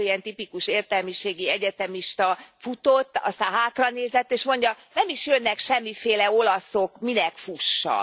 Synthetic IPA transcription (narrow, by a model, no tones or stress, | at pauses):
iɛnt̪ipikuʃeːrt̪ɛlmiʃeːɡiɛɟɛt̪ɛmiʃt̪ɒfut̪ot̪ːɒ̰st̪aːnɦaːt̪rɒneːzɛt̪ːeːʃmo̞ɲɟɒnɛmiʃjønːɛkʃɛmːifeːlɛo̞lɒsokminɛkfuʃːɒ̰